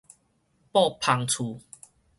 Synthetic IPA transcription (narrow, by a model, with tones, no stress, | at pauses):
pɔ˥˨pʰa˨˧ŋt͡sʰu˨˩